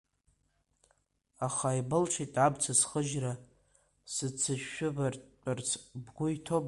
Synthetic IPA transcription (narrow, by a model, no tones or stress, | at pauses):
aχaibɨlʈ͡ʂʰejtʼʕabt͡sʰasχəʒra | sɨt͡sʰɨʃᶣːʊbʼart͡sʰbɡʷʊitʰob